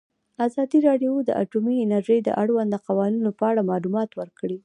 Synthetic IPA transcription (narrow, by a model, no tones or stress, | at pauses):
azɑd̪iɾɑɖjod̪ə̰ʔa̰ʈumiɪnaɾʒəjd̪ə̰ʔaɽwand̪d̪əqawɑninopəaɽamɑlumɑt̪wəɾkɽi